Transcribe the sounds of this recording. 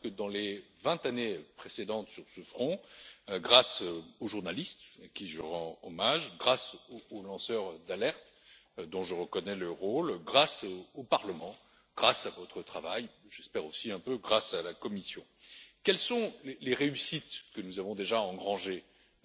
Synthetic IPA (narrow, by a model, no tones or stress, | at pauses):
kəd̪ɑ̃levɛ̃t̪anepχesed̪ɑ̃t̪syʁsəfχɔ̃ɡʁasøoʒuʁnalist̪akʲiʒəʁɑ̃ɔmaʒɡʁasoːlɑ̃sœʁd̪alɛʁt̪ | d̪ɔ̃ʒəʁəkɔnɛləʁolɡʁasopaʁləmɑ̃ | ɡ̥ʁasavɔt̪χət̪χavajʒɛspɛʁosiɛ̃pøɡʁasalakɔmisjɔ̰̃kʲɛlsɔ̃leleʁeysit̪kənuzavɔ̃d̪eʒaɑ̃ɡʁɑ̃ʒe